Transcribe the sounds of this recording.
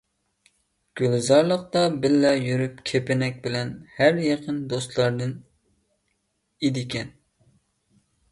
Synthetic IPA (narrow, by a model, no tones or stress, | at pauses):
ɡ̥ʲylzɑɾlˠəq̚t̪ɑbɪlːɛjyɾyp̚kʲʰepɪnɛk̚ʲbɪlɛnhæɾjɑqʰənd̪ost̪lˠɑɾd̪ɨn | ed̪ɪkʲʰɛn